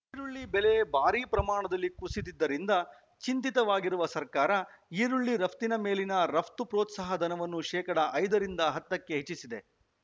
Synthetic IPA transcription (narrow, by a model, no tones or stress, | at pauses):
iːɾuɭːibelebaːɾiːpɾɐmaːɳɐd̪ɐlːikusit̪id̪ːɐɾind̪ɐ | t͡ʃint̪it̪ɐʋaːɡiɾuʋɐsɐɾkaːɾɐiːɾuɭːiɾɐpʰt̪inɐme̞ːlinɐɾɐpʰt̪upɾoːt̪sɐːɦɐd̪ʱɐnɐʋɐnːuʃɛːkɐɽɐʔɐjd̪ɐɾind̪ɐɦɐt̪ːɐkːeɦet͡ʃːisid̪e̞